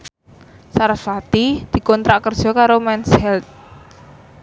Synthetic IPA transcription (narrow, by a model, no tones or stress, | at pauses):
saɾafat̪id̪̥i̤kɔnt̪ɾaʔkərd̥ʒ̥ɔ̤kaɾomɛnshɛlt̪̚